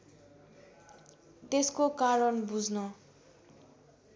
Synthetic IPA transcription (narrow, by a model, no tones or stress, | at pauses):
t̪eskokaɾʌnbud͡znʌ